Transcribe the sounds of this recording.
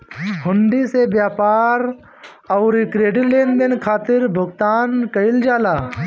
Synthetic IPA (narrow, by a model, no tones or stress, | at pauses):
ɦʊnɖ̪isebjaːpaːɾ | ɐːɾikɾeːɖileːnd̪ɪnkʰaːt̪ɪɾbʱʊɡt̪aːnkɐɪld͡ʒaːlaː